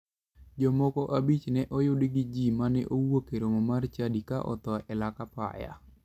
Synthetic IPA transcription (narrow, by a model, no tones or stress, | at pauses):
d͡ʒɔmɔkɔʔabit͡ʃnɛʔɔjʊdiɡɪd͡ʒimanɛ̰ʔowokeɾomɔmart͡ʃadika̰ʔɔ̰t̪ɔɛlakapa̰ja̰